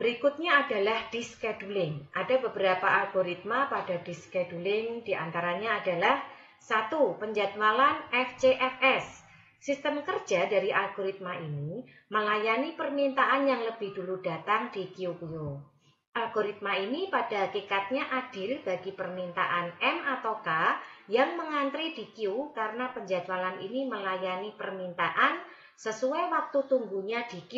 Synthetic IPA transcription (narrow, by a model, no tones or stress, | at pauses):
b̥əɾikut̪̚ɲaːdalahd̥iskɛd̥ulɪŋʔadabəbəɾapaʔalɡoɾit̪̚mapadadiskɛdulɪŋd̥iʔa̰nt̪aɾaɲaːdalah | sat̪upəɲd͡ʒat̪̚malanɛft͡ʃeʔɛfɛsː | ist̪əmkər̥d͡ʒ̥adaɾiʔalɡoɾit̪̚maʔini | məlajanipərmint̪aʔanjaŋləb̥ɪhdulud̥a̤t̪aŋd̥ikiukuju | ʔalɡoɾit̪̚mainipad̥ahakikat̪̚ɲaʔad̥ɪlbaɡipərmint̪a̰ʔanɛmat̪awkajaŋməŋant̪ɾid̥ikiukaɾənapəɲd͡ʒat͡ʃalanḭniməlajanipərmint̪aʔan | səsuajwak̚t̪ut̪uŋɡuɲad̥iki